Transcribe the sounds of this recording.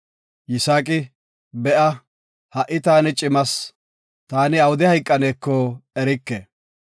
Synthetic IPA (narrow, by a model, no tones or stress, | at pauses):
jɪsaːkʼɪ | bɛʔɐ | hɐʔːɪt̪aːnɪt͡ʃʼɪmɐs | t̪aːnɪɐwʊd̪ɪhɐjkʼːɐneːkːɔɛɾɪkːe